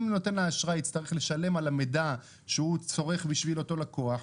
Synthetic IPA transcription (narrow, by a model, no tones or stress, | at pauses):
mno̞te̞nlaːʃʁait͡st̪aʁeχle̞ʃale̞malameda | ʃeut͡so̞ʁe̞χbiʃvilo̞to̞lakoaħ